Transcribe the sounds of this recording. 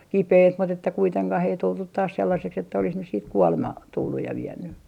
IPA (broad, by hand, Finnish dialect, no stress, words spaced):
kipeit mut etːæ kuiteŋkɑh ei tultut tɑːs selːɑseks etːæ olis nys siːt kuolemɑ tulːuj jɑ ʋienːy